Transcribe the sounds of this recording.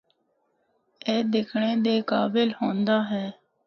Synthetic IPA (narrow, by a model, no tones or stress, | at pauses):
eːd̪ɪkʰɳeːd̪eːkaːbɪlhõːnd̪aːɦɛː